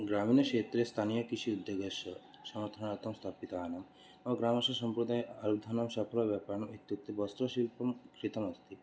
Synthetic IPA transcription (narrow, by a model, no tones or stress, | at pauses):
ɡɾaminɐkʃeːt̪ɾest̪ʰanijɐkiʃiud̪joɡɐʃɐ | sɐmɐɾt̪ʰɐnɐt̪ɐmst̪ʰaːpit̪aːnɐm | ɐɡɾaːmɐsɐsɐmpɾud̪ajɐɾud̪ʱɐnɐmʃapʰɐlɔʋjapaɾnɐmit̪juk̚t̪ebɔst̪ɾɔʃilpɐmkʰɾit̪ɐmɐst̪ʰi